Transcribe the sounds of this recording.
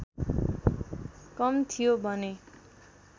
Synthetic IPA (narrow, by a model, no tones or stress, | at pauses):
kʌmt̪ʰijobʱʌne